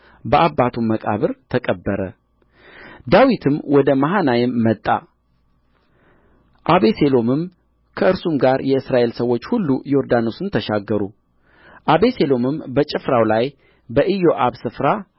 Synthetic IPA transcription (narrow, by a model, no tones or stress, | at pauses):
bəʔabːat̪ʰuməkʼa̰βɨɾt̪ʰəkʼəbːəɾə̰ | d̪awit̪ʰɨmwɔd̪əmaɦanajɛmːət̪ʼːa̰ | ʔaβe̞se̞lo̞mɨm | kʰəɨɾsumɡaɾjɛɨsɾaʔe̞lsəwːo̞t͡ʃːhulːujo̞ɾd̪ano̞sɨnt̪ʰəʃaɡːəɾu | ʔaβe̞se̞lo̞mɨmbət͡ʃʼɪfɾawlaj | bəʔɨjo̞ʔaβsɨfɾa